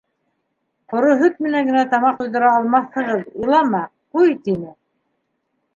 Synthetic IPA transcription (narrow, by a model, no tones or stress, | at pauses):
qŏɾoɦɵt̪̚mɘ̆næŋɡɘ̆næt̪ɑmɑquððɤ̆ɾɑːlˠmɑθhɤ̆ʁɤðulˠɑmɑqujt̪inɘ